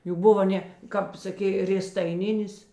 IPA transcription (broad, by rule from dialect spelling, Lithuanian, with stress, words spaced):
ˈjuː ˈbʊʋɐ ˈnʲɛ ˈkɐp sɐˈkʲeː rʲeːstɐɪˈnʲɪnʲɪs